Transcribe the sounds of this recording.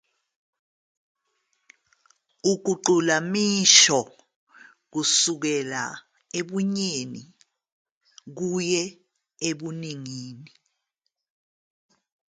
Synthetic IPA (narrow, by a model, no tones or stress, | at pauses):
uɡ̥̬ʱuǃulamiʃɔ | k̬usuk̬ɛla̰ | eɓuɲenḭ | k̬ujɛ | eɓuniŋiːni